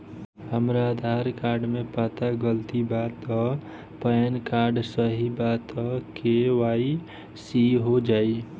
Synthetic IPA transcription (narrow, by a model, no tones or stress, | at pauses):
həmɾad̪ʱaɾkaːɾɖmẽpaːt̪aɡəlt̪ibat̪ɔ | pəənkaːɾɖsəɦibat̪ɔkewai | siɦod͡ʒaːi